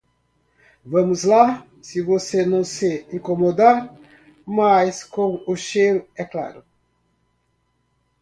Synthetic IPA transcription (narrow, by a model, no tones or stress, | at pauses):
vɐmuzla | sivosenɐ̃w̃seĩŋkomod̪a | majskomuʃelɛkla̰ɾu